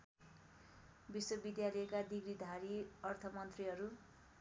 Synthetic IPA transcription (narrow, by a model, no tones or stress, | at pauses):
biswʌbid̪jalʌekad̪iɡɾid̪ʱaɾiʌrt̪ʰʌmʌnt̪riɦʌɾu